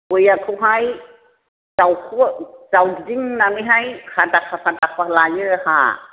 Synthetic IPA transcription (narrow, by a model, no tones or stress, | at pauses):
ojakʰɯwɦaj | z̥awkʰuzawddiŋnaniɦajhʰadakʰahadakʰalajɯha̰